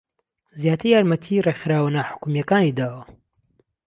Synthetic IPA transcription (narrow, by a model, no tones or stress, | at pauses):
zjaːt̪ʰɨɾjaːɾmɐt̪ʰirexɾaːwanaħʊ̥kumijɐkaːnid̪aːwɐ